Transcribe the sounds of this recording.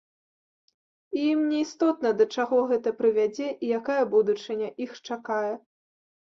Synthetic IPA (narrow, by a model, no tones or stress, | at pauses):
ijimnʲɛist̪ɔt̪̚nɐd̪ɐt͡ʂaɣɔɣɛt̪ɐpɾɨvʲad͡zʲɛʔijakajɐbud̪ut͡ʂɨnʲɐʔixt͡ʂakajɛ